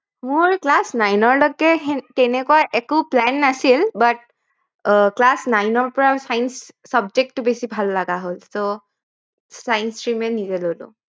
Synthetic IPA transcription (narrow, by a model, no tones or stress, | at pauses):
mʊɹklasnajnɔɹlɔɡɛtɛnɛkuaʔɛkʊplɛnːasilbat̚ | klasnajnɔɹpɔɹasajnsː | abd͡ʒek̚tːʊbesibʱalːaɡaɦolso | sajnstɹimɛnizɛlolʊ̰̃